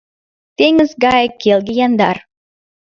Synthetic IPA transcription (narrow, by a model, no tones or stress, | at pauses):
t̪eŋəzɡɑjkːelɡʲejɑnd̪ɑ̰r